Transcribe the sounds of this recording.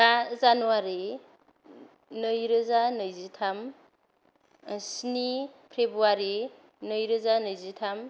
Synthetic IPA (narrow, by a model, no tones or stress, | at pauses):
azanuwaɾi | nɯjɾɯzanɯjzitʰam | snipʰɾebuaɾi | nɯjɾɯzanɯjzitʰam